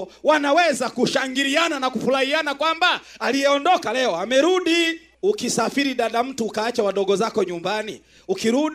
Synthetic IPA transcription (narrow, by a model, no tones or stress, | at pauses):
wanawɛzakuʃaŋɡiɾiananakufulahianakwambaː | lijɛɔndɔkalɛɔamɛɾuɗi | ukisafiɾiɗaɗam̩tuːkaːt͡ʃawaɗɔɡɔzakɔɲumbani | ukiɾuɗ